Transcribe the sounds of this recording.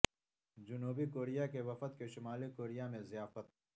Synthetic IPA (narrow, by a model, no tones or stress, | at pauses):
d͡ʒʊnuːbikoːɾijakeʋɐfət̪keʃʊmaːlikoːɾijamẽzɪjaːfət̪